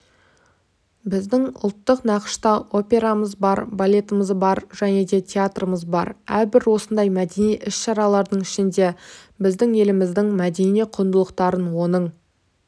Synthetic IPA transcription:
bɪzd̪ɪŋʊ̰lˠt̪ːəqnɑqə̥ʃt̪ɑʔo̞pʲe̞ɾaməzbɑɾbalʲe̞t̪əməzbɑɾʒ̥æne̞d̪e̞t̪ʲʰeat̪rəməzbɑ̰ɾæɾbɪɾwo̞sənd̪ɑjmæd̪enijʔɪsʃɑɾɑlˠɑɾd̪əɴɪʃɪnd̪e̞ | bɪzd̪ɪŋe̞lɪmɪzd̪ɪŋmæd̪e̞nijqʰʊnd̪əlˠəqt̪ɑɾənwo̞nəɴ

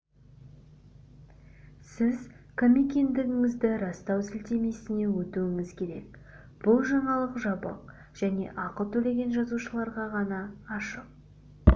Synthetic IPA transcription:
sɪz | kʰomikʲe̞nd̪ɪɡʲɪŋɪzd̪ɪɾɑst̪ɑwsɪlt̪e̞me̞sɪne̞wɵt̪uwɪŋɪzkʲʰe̞ɾe̞̰k | b̥ʊlˠʒɑɴɑlˠəqʒɑbə̰q̚ | ʒ̥æne̞̰ʔɑqəlˠt̪ʰɵle̞ɡʲe̞nʒɑzuʃəlˠɑɾʁɑʁɑnɑːʃəq̚

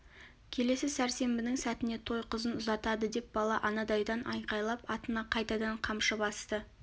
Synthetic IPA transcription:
kʲʰe̞le̞sɪsæɾse̞mbɪnɪŋsæt̪ɪne̞t̪ʰo̞jqəzənʊzɑt̪ɑd̪əd̪e̞p̚bɑlˠɑʔɑnɑd̪ɑjd̪ɑnʔɑ̰jqɑjlˠɑpɑt̪ənɑqʰɑjt̪ɑd̪ɑɴqʰɑmʃəbɑst̪ə

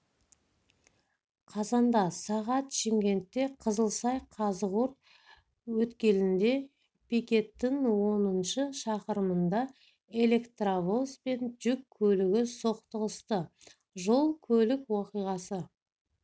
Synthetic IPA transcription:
qʰɑzɑnd̪ɑsɑʁɑt̪ʃeŋkʲe̞nt̪ːe̞qʰəzəlˠsɑjqʰɑzəʁuɾt̪̚ | wɵt̪kʲe̞nɪnd̪e̞ | pʰikʲe̞t̪ːɪŋwo̞nənʃəʃɑqəɾəmənd̪ɑ | e̞le̞kt̪ravospe̞nʒʏkʲʰːɵlɪɡʲɪso̞qt̪əʁəst̪ə | ʒo̞lˠkʲʰɵlɪkwoqijʁɑsə

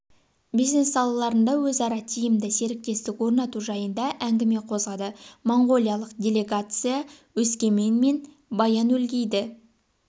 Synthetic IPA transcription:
bijzne̞sːɑlˠɑlˠɑɾənd̪ɑwɵzɑɾɑt̪ʲʰijɪmd̪ɪse̞ɾɪk̚t̪e̞st̪ɪkwo̞ɾnɑt̪uʒɑjənd̪ɑʔæŋɡʲɪme̞qʰo̞zʁɑd̪əmoɴɡo̞lˠijɑlˠəqd̪ʲe̞lʲe̞ɡat̪sɨjawɵskʲe̞me̞nme̞n | bɑjɑnwɵlɡʲe̞jd̪ɪ

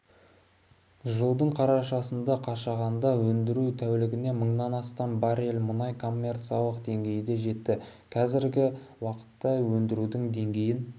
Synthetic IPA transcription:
ʒəlˠd̪əɴqʰɑɾɑʃɑsənd̪ɑqʰɑʃɑʁɑnd̪ɑwɵnd̪ɪɾut̪ʰæwlɪɡʲɪne̞məɴnɑnɑst̪ɑmbɑɾelmʊnɑjkʰo̞mːe̞rt̪sijɑlˠəqd̪e̞ŋɡʲe̞jd̪e̞ʒe̞t̪ːɪ | kʰɑzɪɾɡʲɪwɑqə̥t̪ːɑwɵnd̪ɪɾud̪ɪŋd̪e̞ŋɡʲe̞jɪn

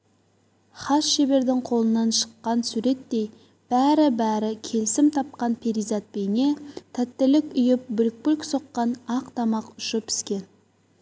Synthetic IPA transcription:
χɑsʃe̞be̞ɾd̪ɪŋqʰo̞lˠənɑnʃə̥qːɑnsuɾe̞t̪ːe̞j | b̥æɾɪbæɾɪkʲʰe̞lsɪmt̪ʰɑp̚qɑnpʰeɾizɑt̪̚pejne̞t̪ʰæt̪ːɪlɪkʲʏjɪp̚bʏlk̚pʏlkso̞qːɑnɑqt̪ʰɑmɑqʊʃʊpɪ̥skʲe̞n

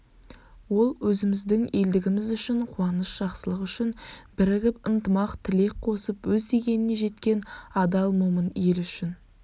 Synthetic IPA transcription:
wo̞lˠwɵzɪmɪzd̪ɪŋe̞ld̪ɪɡʲɪmɪzʏʃɪɴqʰuɑnəsʒ̥ɑqsəlˠəqʏʃɪnbɪɾɪɡʲɪpənt̪əmɑqt̪ʰɪle̞k̚qʰo̞səpwɵzd̪eɡʲe̞nɪne̞ʒe̞t̪kʲe̞nɑd̪ɑlˠmoməne̞lʏʃɪn

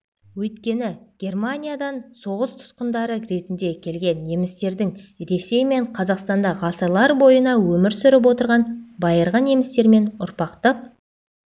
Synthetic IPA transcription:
wɵjt̪kʲe̞nɪɡ̥ʲe̞rmanʲijad̪ɑnso̞ʁəst̪ʰʊ̥t̪qənd̪ɑɾəɾe̞t̪ɪnd̪e̞kʲʰe̞lɡʲe̞nje̞mɪst̪e̞ɾd̪ɪŋɾe̞se̞jme̞ɴqʰɑzɑqst̪ɑnd̪ɑʁɑsɑlˠɑɾbo̞jənɑwɵmɪɾsʏɾɪp̬wo̞t̪əɾʁɑnbɑjəɾʁɑnje̞mɪst̪e̞ɾme̞nʊɾpɑqt̪əp̚

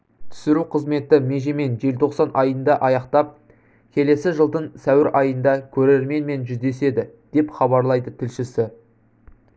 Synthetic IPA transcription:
t̪ʰʏ̥sɪɾuqʰəzme̞t̪ɪme̞ʒeme̞nʒe̞lt̪ʰo̞qsɑnʔɑjənd̪ɑʔɑjɑqt̪ɑp̚ | kʲʰe̞le̞sɪʒəlˠd̪əɴsæwɪɾʔɑjənd̪ɑkʲʰɵɾeɾme̞nme̞nʒʏzd̪e̞se̞d̪ɪd̪̥e̞pχɑbɑɾlˠɑjd̪ət̪ʰɪlʃɪsɪ

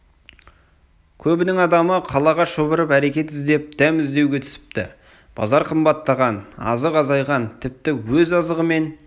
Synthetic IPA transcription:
kʲʰɵbɪnɪŋɑd̪ɑməqʰɑlˠɑʁɑʃəbəɾəpæɾe̞kʲe̞t̪ɪzd̪e̞p̚d̪̥æmɪzd̪e̞wɡʲe̞t̪ʰʏ̥sɪ̥p̚t̪ɪ̰ | b̥ɑ̰zɑɾqʰəmbɑt̪ːɑʁɑnɑ̰zəqɑzɑjʁɑnt̪ʰɪp̚t̪ɪwɵzɑzəʁəme̞n

